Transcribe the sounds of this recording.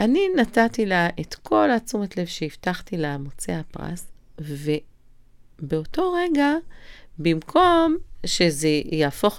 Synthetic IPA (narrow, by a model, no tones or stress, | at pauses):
ʔaninatatilaʔetkʰo̞lat͡sumetle̞vʃeiftaχtilemot͡seapʁa̰sve̞ | beoto̞ʁeɡabimkʰo̞mʃe̞zejaːfo̞χ